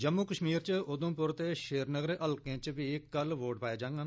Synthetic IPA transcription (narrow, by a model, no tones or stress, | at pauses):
d͡ʒəmːuːkəʃmiːɾt͡ʃəʊd̪ə̃mpʊɾt̪eːʃeːɾnəɡəɾʔəlkẽːt͡ʃʋiːɪkːəlʋoːʈpaːjeːd͡ʒãːŋɡaːn